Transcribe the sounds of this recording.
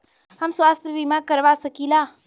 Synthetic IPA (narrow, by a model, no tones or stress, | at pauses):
ɦəmsʋast̪ʰjəʋimãkəɾʋasəkila